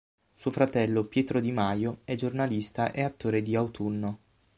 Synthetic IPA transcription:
suofɾat̪ɛlːopjɛːt̪ɾod̪imajoɛd͡ʒornalist̪aʔɛat̪ːoːɾed̪iawt̪ʰunːo

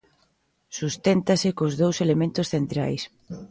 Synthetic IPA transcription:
sust̪ent̪asɪkozðowselemẽnt̪ʊsθent̪ɾa̰js

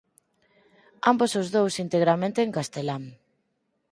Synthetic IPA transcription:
ambosozðowsint̪eɣɾamẽnt̪eːŋkast̪elaŋ

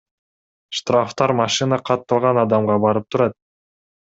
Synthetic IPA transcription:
ʃt̪raft̪ɑɾmɑʃɨnɑqʰɑt̪ːɑlˠʁɑnɑd̪ɑmʁɑbɑɾɯp̚t̪ʰuɾɑt̪̚

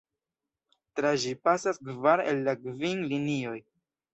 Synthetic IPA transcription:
tɾaʒipasaskvaɾḛlːakvinlinio̞j

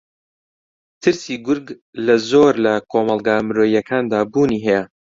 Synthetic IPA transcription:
t̪ʰɨɾsiːɡʊɾɡ | lɐzoːɾlɐkʰoːmɑlˠɡaːmɾoːjɐkʰaːnd̪aːbuːniːɦɛjɛ

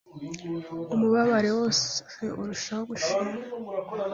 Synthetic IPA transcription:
umuβaβaɾe̞wo̞seʔuɾuʃawoɡuʃiːma

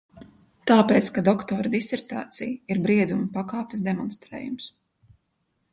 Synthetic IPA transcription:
t̪aːpeːt̪skad̪ɔkt̪ɔːɾɐd̪isɛɾt̪a̰ːt̪sijiɾbɾiɛd̪umɐpakaːpʲɪsd̪ɛmɔnst̪ɾɛ̰ːjums

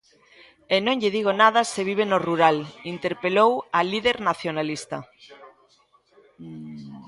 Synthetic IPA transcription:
enõŋʎeð̞iɣ̞onað̞aseβ̞iβ̞enoruɾalint̪eɾpelowaliðeɾnaθjonalist̪a̰

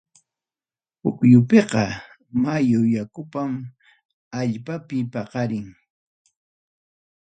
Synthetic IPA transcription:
hʊkjʊpeqɑ | majʊjakʊpam | aʎpapɪpɑqɑɾɪŋ

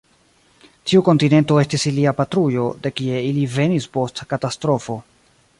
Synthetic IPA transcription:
tiuko̞ntine̞nto̞e̞stisiliapatɾujo̞de̞kie̞ilive̞nispo̞stakatastɾo̞fo̞

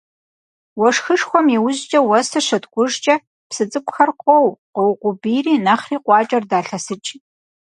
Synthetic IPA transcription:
wɔʂxɨʂxʷɔmjiwʊʑt͡ʃʼɐwɐsɐʂɐtɡʷʊʒt͡ʃʼɐ | psɨt͡sʼɨkʷʼxɐrqʷʼɔwqɔwqʷʊbiːriːnɐχriːqʷʼɑːt͡ʃʼɐrdaːɬɐsɨt͡ʃʼ

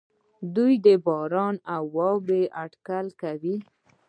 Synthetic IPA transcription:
d̪ujd̪əbɑɾɑnawːɑbeʔaɖkalkawi

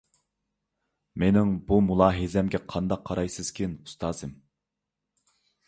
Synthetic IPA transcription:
menɪŋbumulˠɑːɦizɛmɡʲɛqʰɑnd̪ɑqʰːɑɾɑjsɨz̥kʲʰinu̥st̪ʰɑːzɨm

